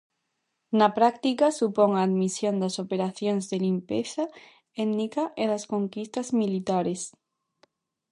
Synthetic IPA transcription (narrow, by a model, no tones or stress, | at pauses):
napɾakt̪ikasupoŋaːðmisjõnd̪asopeɾaθjoŋzðelimpeθa | ednikaʔeðaskoŋkist̪azmilit̪aɾes